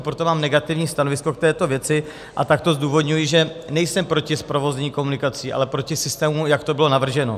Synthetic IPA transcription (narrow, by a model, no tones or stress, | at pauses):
pɾot̪o̞maːmnɛɡat̪ɪvɲiːst̪ano̞vɪsko̞k̚t̪ɛːt̪o̞vjɛt͡sɪ | ʔa̰t̪ak̚t̪o̞zduːvo̞dɲujɪʒɛnɛjsɛmpɾo̞cɪspɾo̞vo̞zɛɲiːko̞munɪkat͡siːʔa̰lɛpɾo̞cɪsɪst̪ɛːmujakt̪obɪlo̞navr̩ʒɛno̞̰